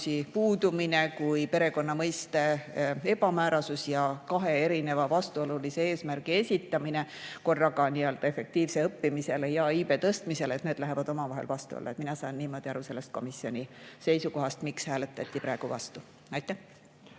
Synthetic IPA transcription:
sipuːd̪umine̞kujpe̞ɾe̞ko̞nːɑmɤjst̪e̞e̞b̥ɑmæːɾɑsusjɑkɑɦe̞e̞ɾine̞vɑvɑst̪uo̞lulise̞e̞ːsmæɾɡie̞sʲit̪ːˑɑmine̞ko̞rːɑɡɑniːø̞lt̪ɑe̞fe̞k̚t̪iːvse̞ɤpːimise̞lejɑiːbe̞t̪ɤst̪mise̞let̪neːd̪læɦe̞vɑd̪o̞mɑvɑɦe̞̰lvɑst̪ṵo̰lːɑ̰et̪minɑsɑːnːiːmo̞ːd̪̥ʲiɑɾuse̞lːe̞st̪̚ko̞misio̞nʲise̞jsuko̞ɦɑst̪mikshæːle̞t̪ːˑɑt̪ʲːˑipɾæˑeɡ̥uvɑ̰st̪u | ɑjt̪ːæh

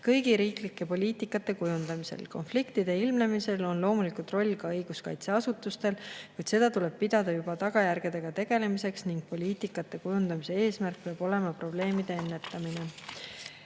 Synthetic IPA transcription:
kɤjɡ̥iɾiːklikːe̞po̞lʲiːt̪ˑikːˑɑt̪ːˑe̞kujund̪̥ɑmise̞̰lko̞nflikt̪id̪̥e̞ilmne̞mise̞lo̞nlo̞ːmulikult̪ro̞lʲːkɑɤjɡ̥uskɑjt̪se̞ɑsut̪ːˑust̪e̞lkujd̪se̞d̪ɑt̪ule̞b̥̚pid̪̥ɑd̪̥ɑjub̥ɑt̪ɑɡ̥ɑjærɡ̥e̞d̪e̞ɡ̥ɑt̪e̞ɡ̥e̞le̞mise̞ksniŋɡ̥̚po̞lʲiːt̪ikːˑɑt̪ːˑe̞kujund̪ɑmise̞e̞ːsmærk̚peɑb̥o̞le̞mɑpro̞ble̞ːmid̪̥e̞enːe̞t̪ːˑɑmine̞

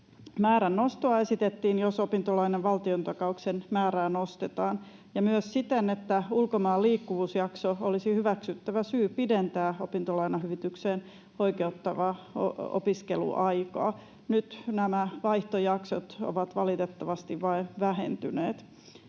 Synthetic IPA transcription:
mæːɾænːost̪oɑe̞sit̪et̪ːiːnjosopint̪olɑineʋʋɑlt̪iont̪ɑkɑuksenmæːɾæːnost̪et̪ɑːn | jɑmyøssit̪enet̪ːæulkomɑːlːiːkːuʋuːsjɑksoolisihyʋæksyt̪ːæʋæsyːpident̪æːopint̪olɑinɑɦyʋit̪ykseːn | oikeut̪ːɑʋɑo̰o̰piskelṵʔɑikɑ̰ː | nyt̪næmæʋɑiht̪ojɑksot̪o̰ʋɑt̪ʋɑlit̪et̪ːɑʋɑst̪iʋʋɑinʋæhḛnt̪yneːt̪

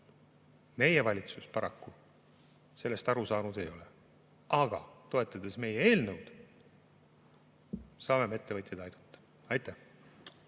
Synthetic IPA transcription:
me̞jevɑlʲit̪suspɑɾɑkːu | se̞lːe̞st̪ɑɾusɑːnud̪̥e̞jo̞le | ɑɡ̥ɑ̰t̪o̞e̞t̪ːˑɑd̪̥e̞sme̞jeeːlnɤwd̪̥ | sɑːme̞met̪ːe̞vɤt̪ʲjed̪ɑjd̪̥u̥t̪ːˑɑ̥ | ɑjt̪ːæ

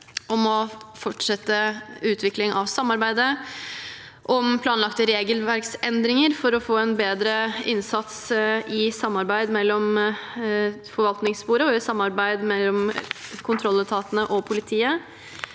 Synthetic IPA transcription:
ɔmɔfɔʈʂɛt̪ːəʉːt̪ʰʋɪklɪŋʔɑʋsɑmːɑɾbæɪd̪ə | ʔɔmpʰlɑːnlɑkt̪əɾeːɡəlʋæɾksɛnd̪ɾɪŋəɾfɔɾɔfoːɛnbeːd̪ɾəɪnsɑt̪sɪsɑmːɑɾbæɪd̪mɛlːɔm | fɔɾʋɑlt̪nɪŋspuːɾəɔɪsɑmːɑɾbæɪd̪mɛlːɔmkʰʊnt̪ʰɾɔlːət̪ʰɑːt̪ənəʔɔpʰʊlɪt̪ʰiːə

